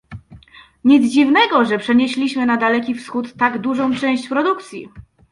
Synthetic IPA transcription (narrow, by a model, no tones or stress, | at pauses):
ɲid̪zd͡ʑivnɛɡɔʐɛpʂɛɲeɕlʲiɕmɘnad̪alɛkʲifsxut̪ːaɡd̪uʐɔ̃w̃t͡ʂɛ̃w̃ɕt͡ɕpɾɔd̪ukt̪sʲjḭ